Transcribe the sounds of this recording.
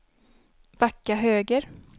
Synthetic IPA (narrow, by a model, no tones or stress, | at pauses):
vakːaɦøːɡəɾ